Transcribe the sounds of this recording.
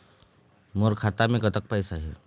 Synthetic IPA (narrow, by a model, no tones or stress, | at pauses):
moɾkʰaːt̪amẽɡət̪ək̚pɛːsaɦɛː